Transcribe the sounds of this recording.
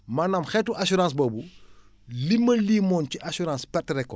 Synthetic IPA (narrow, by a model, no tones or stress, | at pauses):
manɐmxɛtuʔɐsuɾãːs̬bɔːbu | limːɐliːmɔːnciʔasuɾãːspɛtːrɛkːɔ